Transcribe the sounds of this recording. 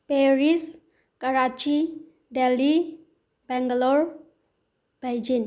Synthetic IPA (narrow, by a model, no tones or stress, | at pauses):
peɾis | kəɾat͡ʃi | ɖeli | bɛŋɡəlɔɾ | b̥ajd͡ʒin